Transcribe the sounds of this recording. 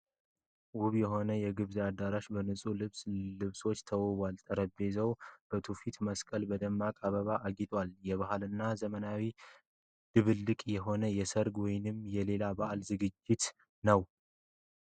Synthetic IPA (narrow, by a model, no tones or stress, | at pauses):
wʊβjɛɦo̞nəjɛɡɨβziad̪aɾaʃbənɨsʼulɨslɨβso̞t͡ʃːt̪ʰəwβʷalt̪ʼəɾəbe̞zəwb̥ət̪ʰufit̪məskʼəlbəd̪əmːakʼaβəβaʔaɡit̪ʼwaljɛβahalɨnːazəmənawi | d̪̥ɨβɨlːɨkʼjɛɦo̞nəjɛsəɾɡwɔjɪnɨmjɛle̞labaʔalzɨɡɨd͡ʒːɪt̪ | nəw